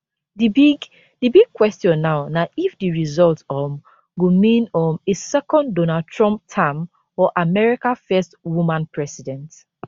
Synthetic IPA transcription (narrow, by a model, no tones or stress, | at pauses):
dibiɡ | dibiɡ̚kʰwɛstjɔ̃nːaʊnaʔifdiɹizɔltɔm | ɡomĩnɔ̃mesɛkɔ̃ndonad̚tʰɹɔ̃mp̚tʰãm | ɔʔamɛɹikãfɛstwumãnpʰɹɛsidɛ̃nt